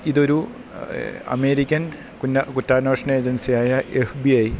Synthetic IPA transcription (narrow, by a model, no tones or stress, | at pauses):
iðo̞ɾu | ɐ̰meːɾikʲːɐn | kunɐkutːaːnoːʂɳɐeːd͡ʑɐnsijaːjɐʔefbiɐj